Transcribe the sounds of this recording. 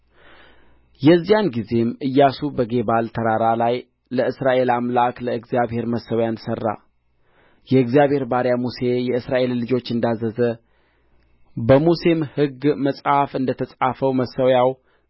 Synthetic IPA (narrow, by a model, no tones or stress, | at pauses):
jɛzːijanɡize̞mɨjːasubəɡe̞balt̪ʰəɾaɾalaj | ləɨsɾaʔe̞lamlakləɨɡzijaβhe̞ɾməsəwjansərːa̰ | jɛɨɡzijaβhe̞ɾbaɾjamuse̞jɛɨsɾaʔe̞lːɨd͡ʒo̞t͡ʃːɨnd̪azəzə | bəmuse̞mhɨɡməsʼhafɨnd̪ət̪ʰəsʼafəwməsːəwjaw